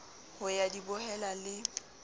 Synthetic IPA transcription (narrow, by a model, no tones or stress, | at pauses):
hʊjadibʊhɛlalɪ